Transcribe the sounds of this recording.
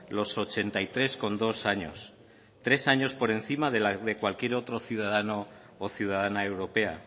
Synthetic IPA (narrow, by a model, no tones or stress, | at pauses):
lo̞so̞t͡ʃe̞nt̪ajt̪ɾe̞sko̞nd̪o̞saɲo̞̰s | t̪ɾe̞saɲo̞spo̞ɾe̞n̟θimaðe̞laðe̞kwalkje̞ɾo̞t̪ɾo̞θjuð̞aðano̞ː | θjuð̞að̞anae̞wɾo̞pe̞a